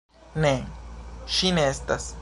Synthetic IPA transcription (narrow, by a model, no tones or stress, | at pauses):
ne | ʃineest̪as